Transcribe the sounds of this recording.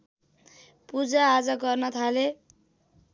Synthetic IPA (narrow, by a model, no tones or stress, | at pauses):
pud͡zaːd͡zʌɡʌrnʌt̪ʰale